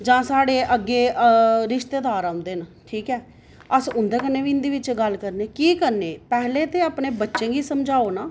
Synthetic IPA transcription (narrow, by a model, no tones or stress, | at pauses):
d͡ʒãːsaːɽeːʔəɡːeːʔɾɪʃt̪eːd̪aːɾãːʊ̃nd̪eːnəʈʰiːkɛː | əsʊnd̪eːkənːeːʋiːɪnd̪iːʋɪt͡ʃɡəlkəɾneːkiːkəɾneːpɛɦleːt̪eːaːpnẽːbətːʃẽːɡiːsəmd͡ʒaːoːnaː